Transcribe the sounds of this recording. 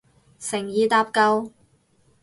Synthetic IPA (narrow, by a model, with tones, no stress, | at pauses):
sɪ˨˩ŋjiː˨˧t̪aː˧p̚kɐ˧w